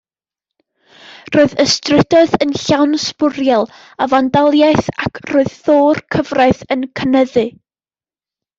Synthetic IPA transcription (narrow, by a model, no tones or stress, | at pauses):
roːɨðəstrɪdɔðənɬawnspʊɾjɛlˠ | avandalˠjajθakʰroːɨðθoːrkʰəvraɨθənkʰənəðɨ